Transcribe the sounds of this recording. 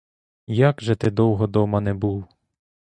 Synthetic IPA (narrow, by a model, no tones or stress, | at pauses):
jakʒɛt̪ɪd̪ɔwɦɔd̪ɔmɐnɛbuw